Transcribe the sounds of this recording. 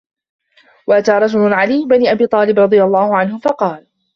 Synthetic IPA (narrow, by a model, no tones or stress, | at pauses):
waʔat̪aːɾˤɑd͡ʒʊlʊʕaliːbaniːʔabiːt̪ˤɑːlɪbɾˤɑd̪ˤɨjalˤːɑːhʊʕanhʊfɑqɑːl